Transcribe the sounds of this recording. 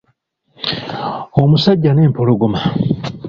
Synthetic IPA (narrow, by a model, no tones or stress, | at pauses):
omusaɟːanempoloɡuma